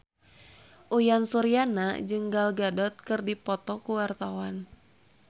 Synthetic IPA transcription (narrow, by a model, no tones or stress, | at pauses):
ʔujansuɾianad͡ʒɨŋɡalɡadɔt̪̚kɨrdipɔt̪ɔkuwart̪awan